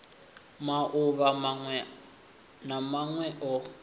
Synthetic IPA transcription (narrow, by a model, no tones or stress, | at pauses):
maʔʊβa | namaŋwɛʔɔ